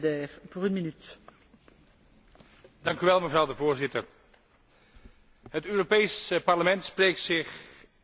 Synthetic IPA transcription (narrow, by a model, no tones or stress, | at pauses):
d̪ɛːʁpuʁynminyt̪ | dɑŋkyʋɛlˠməvrɑwdəvʊːɹzɪtəɹ | ɦətøːropejspɑɹləmɛntsprejk̚tsɪχ